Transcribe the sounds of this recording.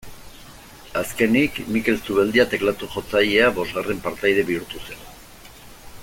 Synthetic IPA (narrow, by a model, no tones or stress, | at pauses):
aske̞nikmike̞lsuβe̞ld̪iat̪e̞klat̪uʝo̞t͡sajeaβo̞zɣare̞mpaɾt̪ajð̞e̞βiuɾt̪use̞n